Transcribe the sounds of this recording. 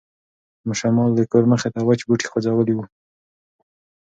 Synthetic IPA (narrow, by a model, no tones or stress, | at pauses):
məʃamɑld̪əkoɾməxet̪awat͡ʃbuʈi̥xod͡zawəliwu